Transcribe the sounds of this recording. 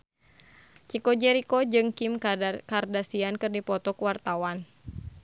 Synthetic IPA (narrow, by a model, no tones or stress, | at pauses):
t͡ʃikɔd͡ʒɛɾikɔd͡ʒɨŋkimkardasiankɨrdipɔt̪ɔkuwart̪awan